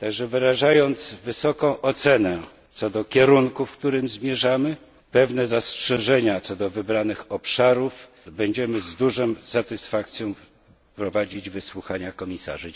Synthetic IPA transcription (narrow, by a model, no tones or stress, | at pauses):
t̪aɡʐɛvɘɾaʐajɔnt̪svɘsɔkɔ̃w̃ʔɔt̪sɛnɛ | t̪sɔd̪ɔkʲɛɾuŋkufkt̪uɾɘmzmʲjɛʐamɘ | pɛvnɛzastʂɛʐɛɲat̪sɔd̪ɔvɘbɾanɘxɔpʂaɾuf | bɛɲd͡ʑɛmɘzd̪uʐɛmsat̪ɘsfak̚t̪sʲjɔ̃w̃ | pɾɔvad͡ʑid͡ʑvɘswuxaɲakɔmʲisa̰ʐɘ